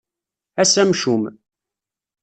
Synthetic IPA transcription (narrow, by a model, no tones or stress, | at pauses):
æsæmʃum